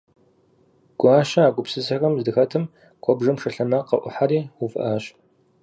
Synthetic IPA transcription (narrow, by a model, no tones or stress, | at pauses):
ɡ̥ʷaːɕɐaːɡʷʊpsɨsɐɣɐmzdɨxɐtʰɨm | kʷʰɔbʐɨmʂɐɬɐmɐqɐ̰ʔʷʊ̰ħaɾiːwʊfɨ̰ʔaːɕ